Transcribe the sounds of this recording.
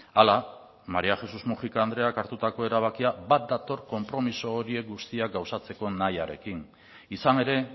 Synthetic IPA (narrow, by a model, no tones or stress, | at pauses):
ala | maɾiaxe̞suzmuʝikaːnd̪ɾe̞akaɾt̪ut̪ako̞e̞ɾaβ̞akiabat̪̚d̪at̪o̞ɾko̞mpɾo̞miso̞ːɾie̞k̚ɡust̪iaɡawsat͡se̞ko̞najaɾe̞̰kin | isane̞ɾe̞